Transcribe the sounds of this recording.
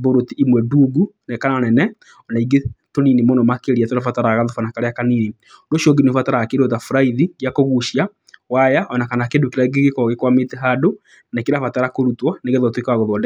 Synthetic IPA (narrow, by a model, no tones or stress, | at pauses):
boɾotiʔimwɛduːɡunekananɛnɛ | ɔnaiɡetoninimonɔmakeɾiatoɾafataɾaɣaðofanakaɾeakaniːni | ndoʃɔɡinofataɾakeɾotafuɾaiðiɡjakoɣuʃia | wajaʔɔnakanakendokeɾaiɡeɡekɔɣekwametɛɦado | nekeɾafataɾakoɾutwɔneɡeðɔtwekwaɣɔðɔdɛ